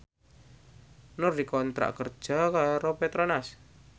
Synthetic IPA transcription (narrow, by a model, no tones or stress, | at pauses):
nʊrdikɔnt̪ɾa̰ʔkərd̥ʒ̥a̤kaɾopet̪ɾonas